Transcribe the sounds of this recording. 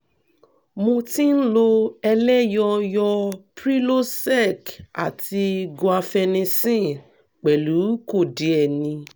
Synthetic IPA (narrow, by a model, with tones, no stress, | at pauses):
mõ˧ti˦n̩˦lo˧ɛ˧lɛ˦jɔ˧jɔ˧pɾi˦lo˦sɛ˦˨ka̰˨ti˧ɡo˧˨a˧fɛ˧nĩ˧sĩ˦˨ | k͡pɛ˨lu˨˦ko˦˨di˨˦ɛ˨nĩ˧